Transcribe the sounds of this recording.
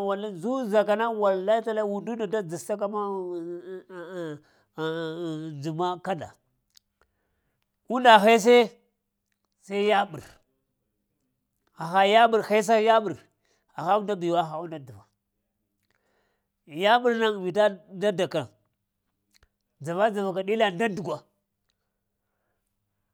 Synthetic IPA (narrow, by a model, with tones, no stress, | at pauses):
wa˨la˦zu˦za˨ka˨na˦wa˨lla˦ta˦la˦wu˨ndu˦nda˨da˦d͡zi˨sta˦k̬a˦ma˦˨ | d͡ʒu˨ma˦ka˦da̰˨ | u˦nda˨xe˦s̬e˦ | sa˦ja˦ɓṵ˨ɾ | a˨xa˦ja˦ɓu˨ɾxe˦s̬a˦ja˦ɓu˨ɾ | a˨xa˦u˦nda˦bi˨wa˦xa˨u˦nda˨d͡za˨va˨ | ja˦ɓu˨ɾna˦ŋ˨vi˨ta˦nda˦da˨kɾa̰˨ŋ | d͡za˨va˦d͡za˨va˨ka˨ɗi˦la˦nda˦du˨ɡʷa˨